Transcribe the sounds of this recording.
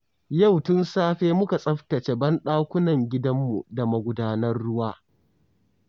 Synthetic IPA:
ja˦˨wtʊ˦nsaː˦ɸeː˦mʊ˦ka˨sʼɐ˦ɸtɐ˨t͡ʃe˦bɐ˦nɗaː˦kʷʊ˦nɐ˨ŋɡʲɪ˦dɐ˦mːṵ˨da˨mɐ˨ɡʷʊ˨daː˦nɐ˦rːʊ˦waː˦

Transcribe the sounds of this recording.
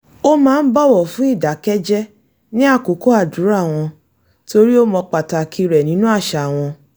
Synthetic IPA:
o˦mãː˦n̩˦bɔ˦˨wɔ˨fũ˦i˦˨da˨kɛ˦d͡ʒɛ˦ | nĩ˦a˦˨ko˨˦ko˦a˦˨du˨˦ɾa˦˨w̃ɔ̃˧ | to˧ɾi˦o˦mɔ̃˧k͡pa˨ta˧kʰi˧ɾɛ˨nĩ˨˦nũ˦a˦˨ʃa˨w̃ɔ̃˧

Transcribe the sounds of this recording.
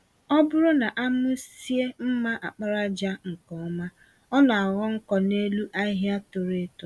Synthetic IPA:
ɔ˦bʊ˦ɾʊ˦na˨ʔa˦mʊ˦si˦e˦m̩˦ma˦ʔa˨k͡pa˦ɾa˦d͡ʒa˦ŋ̩˨kɔ˨˦ma˦ | ɔ˦na˨a˨ɣɔ˦ŋ̩˦kɔ˨ne˦lu˦ʔa˦ɦja˦to˨ɾe˦tʊ˨

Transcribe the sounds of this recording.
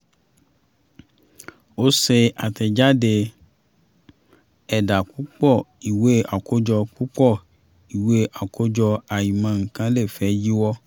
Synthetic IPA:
o˦se˧a˨tɛ˨d͡ʒa˦de˧ | ɛ˨da˨ku˦k͡pɔ˦˨i˨we˨˦a˨ko˦d͡ʒɔ˧k͡pu˦k͡pɔ˦˨ | i˨we˦ʔa˨ko˦d͡ʒɔ˧a˨jĩ˨mã˧˨ŋ̩˨kã˨˦le˦˨fɛ˨˦ji˦wɔ˧˦

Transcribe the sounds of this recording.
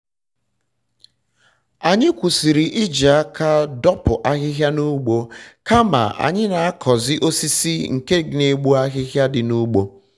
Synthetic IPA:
a˨ɲɪ˦kʷu˨si˨ɾi˨ʔi˦d͡ʒa˨a˦ka˦dɔ˦pʊ˨ʔa˦ɣɪ˦ɦja˦nu˦ɡ͡bo˦ka˦ma̰˨a̰˨ɲɪ˦na˨a˦kʰɔ˨zɪ˦ʔo˦si˦si˦ŋ̩˨ke˦ɡne˨ɡ͡bu˦a˦ɣɪ˦ɣja˦dɪ˨nu˦ɡ͡bo˦

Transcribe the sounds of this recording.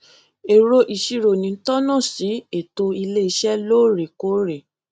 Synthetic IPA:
e˨ɾo˧ʔi˨ʃi˧ɾo˨nĩ˧˦tɔ˦nã˦˨si˨˦e˨to˧i˧le˦i˧˦ʃɛ˦loː˦˨ɾe˨ko˨˦ɾe˨

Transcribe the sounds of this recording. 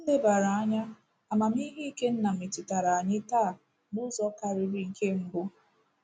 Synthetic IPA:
n̩˦le˦ba˨ɾa˨a˦ɲa˦ | a˨ma˨m˦i˦ɦi˦i˦ke˦n̩˦na˨m̩i˨tɪ˨ta˨ɾa˨a˨ɲɪ˦taː˦˨ | nʊ˦zɔ˦ka˦ɾɪ˦ɾi˨˦ŋ̩˨ke˦ŋ͡m̩˦bʊ˦

